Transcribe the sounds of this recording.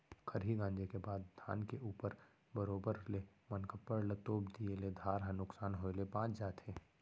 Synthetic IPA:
kʰəɾɦiɡãːnd͡ʒekebaːd̪d̪ʱa̰ːnkeʔuːpəɾ | bəɾoːbəɾlemənkapːəɽlət̪oːbd̪ieled̪ʱaːɾɦãnʊksaːnɦoːelepãːt͡ʃʰd͡ʒaːt̪ʰeː

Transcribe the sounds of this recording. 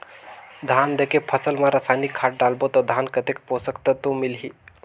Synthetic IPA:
d̪ʱand̪ekepʰəsəlmãɾəsajnikʰːaʈ̚ɖalbot̪ɔd̪ʱankət̪ekposəkt̪ət̪umilɦi

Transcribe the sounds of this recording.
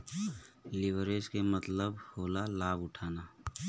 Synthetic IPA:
lɪʋɾeːskemət̪ləbhoːlalaːbʊʈʰaːna

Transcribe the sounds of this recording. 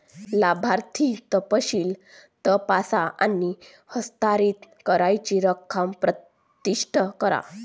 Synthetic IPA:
labʱaɾt̪ʰit̪əpəɕiːl | t̪əpasaʔa̰ni | həst̪aɾiːt̪kəɾajt͡ɕiɾəkʰːampɾə | t̪iʂʈʰəkəɾa̰

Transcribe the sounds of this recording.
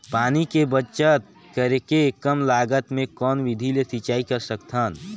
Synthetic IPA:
paːnikebət͡ʃət̪̚ | kəɾekekəmlaːɡət̪mẽkɔːnʋɪd̪ʱilesit͡ʃaːikɐɾsəkt̪ʰaːn

